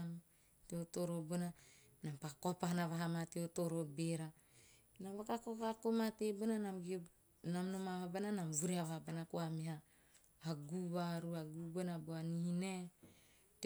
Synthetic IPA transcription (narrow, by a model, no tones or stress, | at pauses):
m | teotoɾobona | nampakopaɦanaβaɦamateotoɾobeɾa | naβakakokakomatebonanamɡi | namnomaβabananamvuɾeaβabanakoamiɦaː | ɡuβaɾuaɡubonaboanihine | t